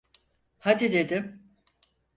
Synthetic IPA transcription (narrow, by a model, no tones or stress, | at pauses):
had̪id̪e̞d̪ɪm